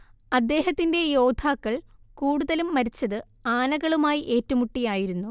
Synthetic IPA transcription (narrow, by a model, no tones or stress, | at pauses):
ɐd̪ːe̞ːɦɐt̪ːinde̞jo̞ːd̪ʱʰaːkːɐɭkuːɽuðɐlumːɐɾit͡ɕːɐðɨ | aːnɐɣɐɭumaːjiʔe̞ːtːumuʈːijaːjiɾunːu